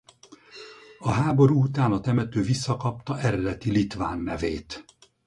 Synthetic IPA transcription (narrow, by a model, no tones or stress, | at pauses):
ɒɦaːbo̞ɾuut̪aːnɒt̪ɛmɛt̪øːvisːɒkɒp̚t̪ɒʔɛɾɛd̪ɛt̪ilit̪ʋa̰ːnːɛveːt̪